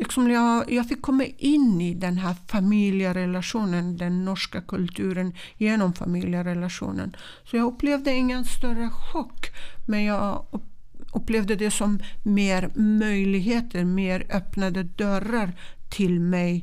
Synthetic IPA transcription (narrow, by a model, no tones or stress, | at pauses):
lɪksɔmjɑjɑːfɪkʰːɔmːaʔɪnːɪd̪ɛnɦæːɾfamilɪəɾɛlaʂuːnənd̪ɛnːɔʂkakʰɵlt̪ʰʉ̟ːɾən | jeːnɔmfa̰miːljəɾɛlaʂṵːnə̰n | sɔjɑːɵpːleːvd̪əɪŋːənst̪œɾəɧɔkːmɛnjɑː | ɵpːleːvd̪əd̪ɛsɔmːeːɾmœjlɪɡɦeːt̪ʰəɾmeːɾœpnad̪əd̪œɾaɾt̪ʰɪlmɛj